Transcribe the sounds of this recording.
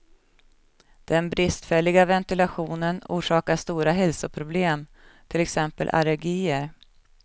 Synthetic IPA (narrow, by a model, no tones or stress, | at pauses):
d̪̥ɛnbɾɪst̪fɛlːɪɡavɛnt̪ɪlaɧuːnənṵːʂɑːkaʂt̪uːɾaɦɛlsʊpʰɾʊbleːm | t̪ʰɪlɛksɛmpə̰lʔa̰lɛɾɡiːəɾ